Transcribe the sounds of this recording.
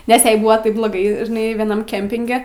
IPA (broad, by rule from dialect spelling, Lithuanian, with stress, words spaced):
nʲɛs ˈjɛɪ ˈbuːʋɐ ˈtɐɪp blˠoːˈɡɐɪ ʒʲɪˈnɐɪ ʋʲiɛˈnɐm ˈkʲɛmʲpʲɪŋʲɡʲɛ